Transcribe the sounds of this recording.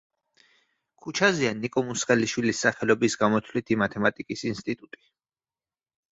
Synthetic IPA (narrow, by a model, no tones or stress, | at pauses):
kʰut͡ʃʰazianikʼɔmusqʼɛliʃwilisːaχɛlɔbisɡamɔt̪ʰvlit̪ʰimat̪ʰɛmat̪ʼikʼisinst̪ʼit̪ʼut̪ʼi̥